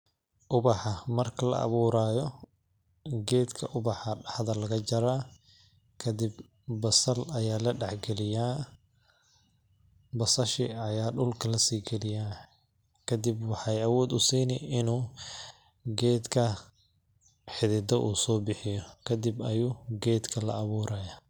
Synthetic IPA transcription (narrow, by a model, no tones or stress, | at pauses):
ʔʊβɑħɑmɐrkʰɐlɐ̰ʔɐ̰βuːɾaːjɔ | ɡɛːd̪kʰɐʔʊbɑħɐɖɑħd̪ɐlɐɣɐt͡ʃɐɾaː | kʰɐd̪ɪb | bɐsɐlɐjaːlɐɖɑħɡɛlɪjaː | bɐsɐʃɪɐjaːɖʊlkʰɐlɐsiːɡɛlɪjaː | kʰɐd̪ibwɑħɑjɐwɔːd̪ʊsiːnɪɪnuː | ɡɛːd̪kʰɐ | ħɪðɪd̪ɐʔuːsɔːbɪħɪjɔkʰɐd̪ɪbɐjuːɡɛːd̪kʰɐlɐ̰ɐβuːɾʔaːja